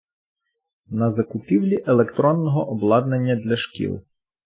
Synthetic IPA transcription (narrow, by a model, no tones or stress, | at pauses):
nɐzɐkʊpʲiwlʲiʔelˠekt̪ɾɔnːɔɦɔʔɔblˠɑd̪nenʲːɐd̪lʲɐʃkʲḭlˠ